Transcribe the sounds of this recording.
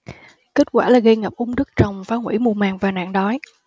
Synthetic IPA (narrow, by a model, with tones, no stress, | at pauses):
ke˦˥t̚kwaː˧˩laː˨˩ɣə˧jŋə˨˩p̚ʔʊ˨˧wŋ͡mɗɨ˦˥k̚t͡ɕə˨˩wŋ͡mfaː˨˦ŋwḭ˧˩mu˨˧˩maː˨˩ŋvaː˨˩na̰ː˧˨ŋɗɔ˨˦j